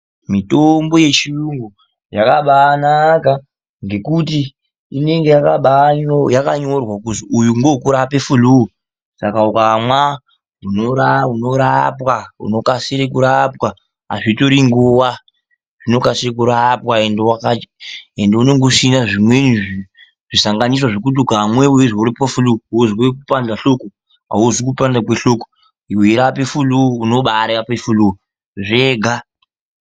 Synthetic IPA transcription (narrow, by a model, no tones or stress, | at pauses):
mitombo̞je̞t͡ʃiruŋɡo | jakaɓaːnaka | ŋɡe̞kuti | ine̞ŋɡejakaɓajakaɲorwakuziujuŋɡokuɾapefuluo | sakaukamwa | ɦunoɾaunoɾapwaṵno̞kasiɾekuɾapwa | a̰ʐitoɾiŋɡuwa | ʐ̥ino̞kasiɾekuɾapwaendewakaendeuno̞ŋɡosinaʐimwenii | ʐisaŋɡanis̬waʐekutuɡʱamweweʐuɾipofuluuziwekupand͡ɮaɬo̞ko | a̰uzikupandakweɬo̞ko | iwuiɾapefuluuno̞ɓaɾapefulu | ʐeːɡʱa